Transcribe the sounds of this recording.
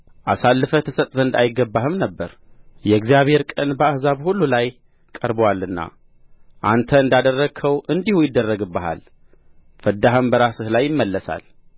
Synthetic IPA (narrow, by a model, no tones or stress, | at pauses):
ʔasalːɨfət̪ʰəsət̪ʼzənd̪a̰jɪɡəbːahɨmnəbːəɾ | jɛɡzijaβhe̞ɾkʼənbəahzaβhulːulaj | kʼəɾbwalːɨnːa̰ | ʔant̪ʰəɨnd̪ad̪ərːəɡʰəwʔɨnd̪ihujɪd̪ːərːəɡɨbːəha̰l | fəd̪ːaɦɨmbəɾasɨhlajːɪmːəlːəsa̰l